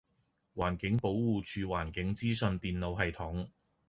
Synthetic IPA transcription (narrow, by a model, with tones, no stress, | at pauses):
waː˨˩nkɪ˨˥ŋpo˨˥wwuː˨t͡ʃʰyː˧waː˨˩nkɪ˨˥ŋt͡siː˥sɵ˧nt̪iː˨nlo˨˧wɦɐ˨jt̪ʰʊ˨˥ŋ